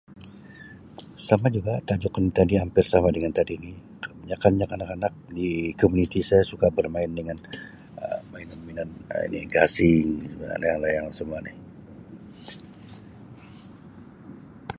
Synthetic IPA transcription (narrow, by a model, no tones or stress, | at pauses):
samad͡ʒuɡat̪ad͡ʒukant̪adiampɪrsamadəŋant̪adini | ɲakanɲakanakanak̚dikomunit̪isajasukabərmaɪndəŋan | əmaɪnaminanḭnḭɡasɪŋa̰la̰jaŋlajaŋsəmuanɪ̰h